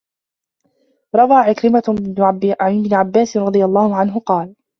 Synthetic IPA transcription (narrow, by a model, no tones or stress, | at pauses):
ɾˤɑwɑːʕɪkɾɪma | ɪbnɪʕabːaːsɪnɾˤɑd̪ˤɨjalˤːɑːhʊʕanɦʊqɑːl